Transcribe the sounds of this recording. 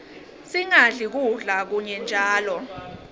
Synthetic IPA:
siŋaɮik̬uɮak̬uɲɛnd͡ʒʱaːlɔ

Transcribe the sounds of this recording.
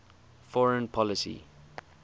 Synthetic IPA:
fɔɹə̃npʰɔlɪsḭ

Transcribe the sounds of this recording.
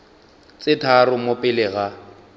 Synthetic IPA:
t͡sɪtʰarʊmopʼɪlɪɣa

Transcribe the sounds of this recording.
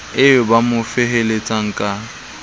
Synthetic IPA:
ɪʊbamʊfɪɦelet͡sʼaŋ̩kʼa

